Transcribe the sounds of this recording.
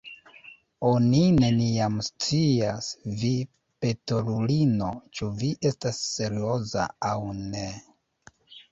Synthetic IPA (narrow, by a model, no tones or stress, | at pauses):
onine̞niamst͡siasvi | pe̞tolulino̞t͡ʃuviʔe̞stasːe̞ɾio̞za̰awne̞